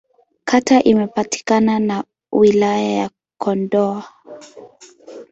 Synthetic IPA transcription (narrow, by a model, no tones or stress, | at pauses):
kʰatʰaʔimɛpati̥kanana | wilajaja̰ | kʰɔndɔa